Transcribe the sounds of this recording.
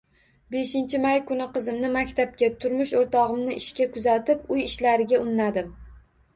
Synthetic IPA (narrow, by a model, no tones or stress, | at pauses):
be̞ʃɪnt͡ʃʰɪmajkʊnɪqɨzɪmnɪmakʲt̪ʰap̚kʲat̪ʰʊɾmɪʃoɾt̪ʰɒʁɨmnɪʔɪʃkʲakʰʊzat̪ʰɪpʊjɪʃlaɾɪɡʲaʊnːad̪ɪm